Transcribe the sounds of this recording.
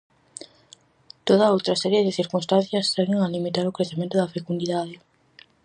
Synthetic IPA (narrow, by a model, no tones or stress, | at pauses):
t̪oðɐowt̪ɾɐsɛɾjeðɪθiɾkunst̪an̟θjɐst̪ɛɣɪŋalimit̪aɾʊkɾeθemẽnt̪ʊðɐfekund̪iðaðɪ